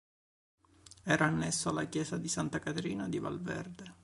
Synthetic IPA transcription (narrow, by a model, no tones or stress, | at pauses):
ɛːɾaːnːɛsːoalːakjɛːsad̪isant̪akat̪ɾiːnad̪iva̰lvɛ̰rd̪e